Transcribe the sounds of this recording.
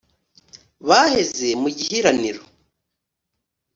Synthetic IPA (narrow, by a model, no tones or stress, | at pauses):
βahe̞ze̞muɟihiɾaniɾo